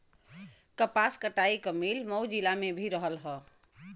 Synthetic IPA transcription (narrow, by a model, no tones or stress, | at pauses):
kəpaskəʈaikəmilmɔwd͡ʒilamebʱiɾəɦəlɦɔ